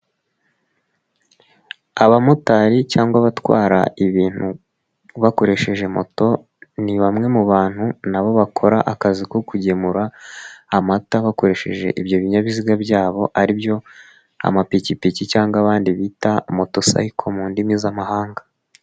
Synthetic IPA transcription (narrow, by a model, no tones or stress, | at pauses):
aβamotaɾicaːŋɡwaβatwa̰ːɾa̰iβiːn̥hu | βako̞ɾe̞ʃe̞ʒe̞mo̞̰to̞ | niβamŋe̞muβaːn̥hunaβo̞βakʰo̞ɾaʔakazikokuɟe̞muɾaː | mataβako̞ɾe̞ʃe̞̰ʒe̞̰ʔibjo̞βiɲaβiziɡabjaːβo̞ʔaɾibjo̞ | a̰mapicipicicaːŋɡwaβaːndiβiːtamo̞to̞sa̰ikʰo̞muːndimizamaɦaːŋɡa